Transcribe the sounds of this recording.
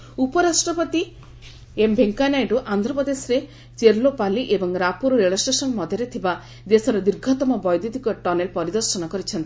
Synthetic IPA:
upɔɾasʈɾɔpɔt̪i | embʱeŋkanajɖuʔand̪ʱɾɔpɔd̪esɔɾe | t͡ʃeɾlopaliʔebɔŋɾapuɾɾeɭɔsʈesɔnmɔd̪ʱjɔɾet̪ʰiba | d̪esɔɾed̪iɾɡʱɔt̪ɔmɔbɔjd̪id̪ikɔʈɔnelpɔɾid̪ɔɾsɔnɔkɔɾit͡ʃʰɔnt̪i̥

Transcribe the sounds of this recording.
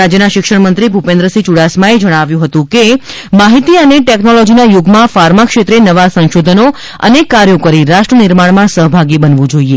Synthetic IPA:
ad͡ʒjənaʃɪkʃəɽmənt̪ɾibʱupẽnd̪ɾəsit͡ʃuɽasmãed͡ʒəɽ̃aʋjũɦət̪ũke | maɦit̪iəneʈeknolɔd͡ʒinajoɡmãfaɾmakʃet̪ɾenəʋasə̃ñʃod̪ʱəno | ə̰nekːaɾjokəɾiɾaʃʈɾənɪɾmaɽmãsəɦbʱaɡibənʋũd͡ʒoie

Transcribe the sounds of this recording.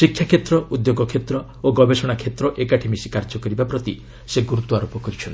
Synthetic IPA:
sikʰːjakʰet̪ɾɔud̪joɡɔkʰet̪ɾɔ | oɡɔbesɔɽ̃akʰet̪ɾɔʔekaʈʰemisikaɾd͡ʒɔkɔɾibapɾɔt̪i | seɡuɾut̪uaɾopɔkɔɾit͡ʃʰɔnt̪i̥

